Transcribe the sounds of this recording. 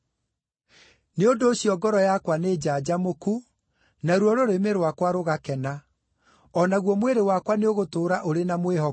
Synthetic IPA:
neondoːɕjɔɡɔɾɔjakwaned͡ʑad͡ʑamoku | naɾuɔɾoɾemeɾwakwaɾoɣakɛna | ɔnaɣwɔmweɾewakwaneoɣotoːɾaʔoɾenamweɦɔ

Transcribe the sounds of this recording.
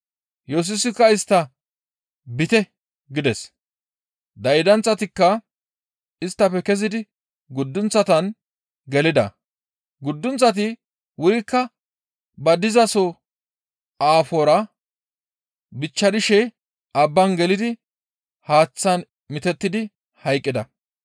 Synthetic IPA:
jos̬ʊsɪkːɐɪst̪ːɐ | bɪt̪ɛ | ɡɪd̪ɛs | d̪ɐjd̪ɐnt͡sʼːɐt̪ɪkːɐ | ɪst̪ːɐpːɛkɛs̬ɪd̪ɪ | ɡʊd̪ːʊnt͡sːɐt̪ɐn | ɡɛlɪd̪ɐ̰ | ɡʊd̪ːʊnt͡sːɐt̪̬ɪ | wʊjkːɐ | bɐd̪ɪzɐsɔ | aːfoɾɐ | bɪt͡ʃːɐd̪ɪʃɛ | ɐbːɐnɡɛlɪd̪ɪ | haːt͡sːɐn | mɪt̪ɛt̪ːɪd̪ɪ | hɐjkʼːɪd̪ɐ

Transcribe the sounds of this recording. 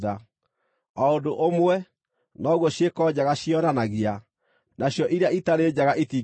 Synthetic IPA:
ða | aodoʔomwɛ | nɔɣwɔɕjekɔd͡ʑaɣaɕiɔnanaɣia | naɕjɔʔiɾeaitaɾeːd͡ʑaɣaʔeti

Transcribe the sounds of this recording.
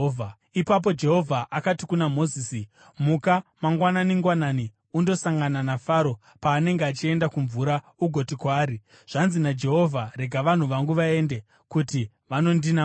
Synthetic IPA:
ipap̬o̞d͡ʒe̞ɦo̞vʱaʔakatikunamo̞ziːsi | mukamaŋɡwananiŋɡwanani | undo̞saŋɡananafaɾo̞ | paːne̞ŋɡeat͡ʃie̞ndakuɱvuɾa | uɡʱo̞tikwaːɾi | ʐ̥anzinad͡ʒe̞ɦo̞vʱare̞ɡʱaʋan̤uʋaŋɡuʋae̞nde̞ | kuti | ʋano̞ndina

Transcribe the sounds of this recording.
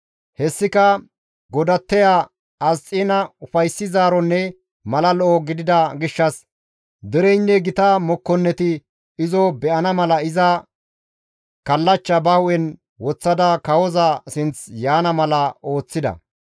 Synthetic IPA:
hɛsːɪkɐ | ɡɔd̪ɐt̪ːɛjaː | ɐst͡sʼːiːnɐʊfɐjsːɪzaːɾɔnːɛ | mɐlɐlɔʔɔɡɪd̪ɪd̪ɐɡɪʃːɐs | d̪ɛɾɛjnːɛɡɪt̪ɐmɔkːɔnːɛt̪ɪ | ɪzɔbɛʔɐnɐmɐlɐɪzɐ | kɐlːɐt͡ʃːɐbɐwʔɛn | wɔt͡sːɐd̪ɐkɐwɔzɐsɪnt͡sjaːnɐmɐlɐo̞ːt͡sːɪd̪ɐ̰

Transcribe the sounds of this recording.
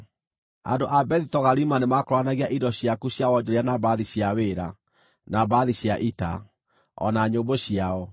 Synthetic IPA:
a̰ndoʔabɛðitɔɣaɾimanemakoɾwanaɣiaʔidɔɕjakuɕjawɔd͡ʑoɾianabaðiɕjaweɾa | nabaðiɕjaʔita | ɔ̰naɲoːboɕiaɔ

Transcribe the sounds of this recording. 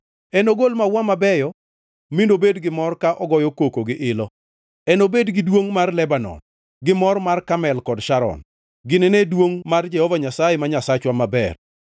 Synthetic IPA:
ɛnoɡolmawamabɛjɔ | mindobedɡɪmɔrkaʔɔɡɔjɔkokoɡɪʔɪlɔ | ɛnobedɡɪdwoŋmarlɛbanɔ̰n | ɡɪmɔrmarkamɛlkɔdʃaɾɔ̰n | ɡɪnenedwoŋmard͡ʒɛhɔvaɲasajɛmaɲasat͡ʃwamabɛ̰r

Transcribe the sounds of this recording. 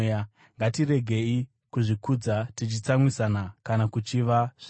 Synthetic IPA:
ja | ŋɡatiɾe̞ɡʱe̞i | kuʐikud͡zatit͡ʃit͡samwisanakanakut͡ʃiʋaʐ

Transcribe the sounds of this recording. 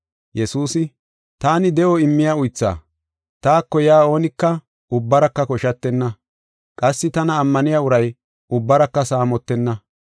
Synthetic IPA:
jɛsuːsɪ | t̪aːnɪd̪ɛʔɔɪmːɪjaːʊjt͡sːa̰ː | t̪aːkːɔjaːo̞ːnɪkːɐ | ʔʊbːɐɾɐkːɐkɔʃɐt̪ːɛnːɐ | kʼɐsːɪt̪ɐnɐːmːɐnɪjaːʊɾɐj | ʔʊbːɐɾɐkːɐsaːmɔt̪ːɛnːɐ

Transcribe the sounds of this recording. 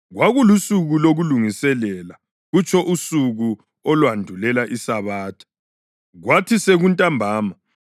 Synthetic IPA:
ɣwaɣulusuɣuloɣuluŋisɛlɛla | ɣut͡ʃʰɔʔusuɣu | ɔlwandʱulɛlaʔisaβaːtʰḁ | ɣwatʰiseɣuntʼambʱaːma

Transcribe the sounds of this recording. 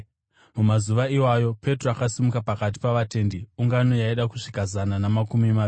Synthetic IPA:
mumazuʋaiwajo̞pe̞troakasimukapakat̬i̥paʋate̞ːndiuŋɡano̞jaiɗaku̥ʂikazananamakumima

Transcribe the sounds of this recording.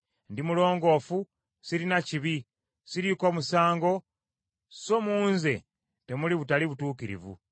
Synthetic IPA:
ndimulo̞ːŋɡo̞ːfu | siɾinaciβi | siɾiko̞musaːŋɡo̞ | so̞muːnze̞̰ | te̞muliβutaliβutuːkiɾḭvṵ

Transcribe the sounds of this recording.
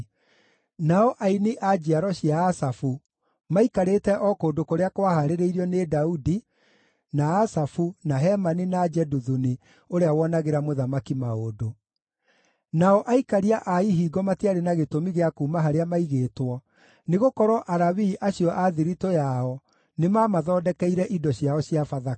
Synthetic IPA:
naɔʔainiʔad͡ʒiaɾɔɕijaːsafu | maikaɾeːtɛʔɔkoːndokoɾeakowahaɾeɾeiɾiɔnedaudi | naːsafunaɦɛmaninad͡ʒɛduðuni | oɾeawɔnaɣeɾamoðamakimaodo | naɔʔaikaɾiaʔaiɦiːɡɔmateaɾenaɣetomiɣeakuːmaɦaɾeamaiɣeːtwɔ | neɣokɔɾɔʔaɾaβiːʔaɕjɔʔaðiɾitojaɔ | nemaːmaðɔːdɛkɛiɾɛʔidɔɕjaɔɕjafaða

